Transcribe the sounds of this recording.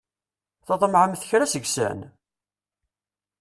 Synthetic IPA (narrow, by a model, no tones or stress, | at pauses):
θɑðˤmʕəmθçɾæsəɡsæ̰n